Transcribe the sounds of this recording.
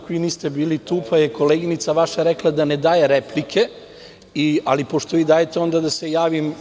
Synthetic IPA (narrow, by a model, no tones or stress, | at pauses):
koiniːst̪ebiːlit̪upʰajeko̞leːɡinit̪saʋaʃaɾeklˠad̪aned̪aːje̞ɾeplikʰe̞ | ialipo̞ʃt̪o̞ʋiːd̪aːjet̪eo̞nd̪ad̪asejaːʋim